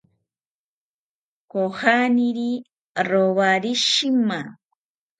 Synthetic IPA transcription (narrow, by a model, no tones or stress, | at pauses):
kohaniɾi | ɾoβaɾiʃima